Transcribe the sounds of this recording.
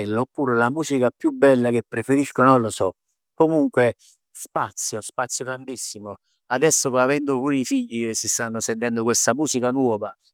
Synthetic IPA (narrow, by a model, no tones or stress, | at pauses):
ɛlːoːpːuːɾelamuːsikapjubːɛlːak̟epːɾefeɾiskonɔnlosɔ | kːomuŋkwe | spat̪sːjospat̪sːjot̪ɾand̪isːimo | ad̪ɛsːopɔavɛnd̪opunifiʎːikesːist̪anːosent̪ɛnd̪okwest̪amuːsikanwɔːva